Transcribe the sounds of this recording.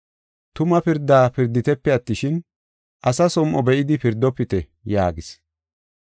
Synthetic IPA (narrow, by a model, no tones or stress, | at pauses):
t̪ʊmɐpɪɾd̪ːaːpɪɾd̪ːɪt̪ɛpːɛɐt̪ːɪʃɪn | ʔɐsɐsɔmʔɔbɛʔɪd̪ɪpɪɾd̪ːɔpːɪt̪ɛ | ja̰ːɡɪs